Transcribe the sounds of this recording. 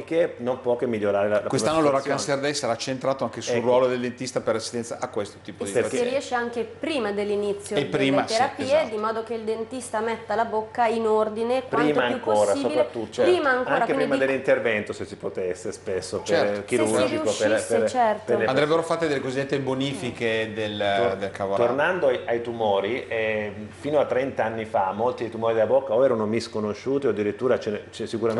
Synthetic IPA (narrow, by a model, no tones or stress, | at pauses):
ekːenompwɔkemːiʎːoɾaːɾelalakwesanːoloɾakːanseɾd̪ɛjsaɾat͡ʃent̪ɾaːt̪oaŋkesulrwɔːlod̪eld̪ent̪ist̪aperlːasi̥st̪ɛnt̪saʔakːwest̪o̥t̪iːpod̪iekːeiɛʃːeaŋkepɾiːmad̪elːinit̪sːjoed̪ɾiːmaeɾapied̪imɔːd̪okeild̪ent̪ist̪amɛt̪ːalabokːainord̪inekpɾaɾiːmaaŋjukːoːɾassiobiat̪ːut̪ːiːmaaŋkaŋɾakeppɾiːmad̪elːint̪ervɛnt̪osesːi̥pot̪esːespesːopek̟iɾuud͡ʒikopepert͡ʃɛrt̪peleand̪ɾɛbːeɾofat̪ːed̪elːekozid̪et̪ːeboniːfiked̪eld̪elkavt̪onand̪oaajt̪umoːɾiɛfiːnoat̪ːɾɛnt̪aanːifamːolt̪id̪ejt̪umɔɾid̪elabokːaoɛːɾanomiskonoʃːuːt̪ioad̪ːiɾit̪ːuːɾat͡ʃɛnt͡ʃɛsikuɾa